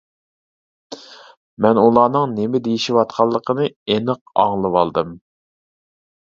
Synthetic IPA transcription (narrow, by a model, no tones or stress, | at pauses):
mɛnulˠɑːnɨŋnɪmɪd̪ejiʃiwɑt̪̚qʰɑlˠːəqʰənɨenɨq̚ɑ̰ŋlˠɨwɑlˠd̪ɨm